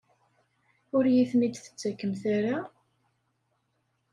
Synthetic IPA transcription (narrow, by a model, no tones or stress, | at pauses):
ʊɾjiθnid̪θə̥t͡sːækːəmθaɾa